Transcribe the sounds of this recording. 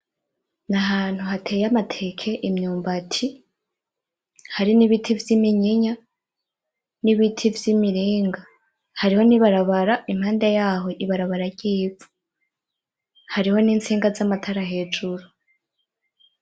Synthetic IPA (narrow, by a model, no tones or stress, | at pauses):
naɦaːn̥huɦatʰe̞ːjamatʰe̞kʰe̞ʔimɲuːmbatʰi | haɾiniβitʰivjimiɲiɲa | niβitʰivjimiɾiːŋɡa | haɾiho̞niβaɾaβaɾaimhaːndejaːɦo̞ʔiβaɾaβaɾaɾɟiːvu̥ | haɾiho̞niːnt͡siːŋɡazamatʰaɾahe̞ːd͡ʒuɾu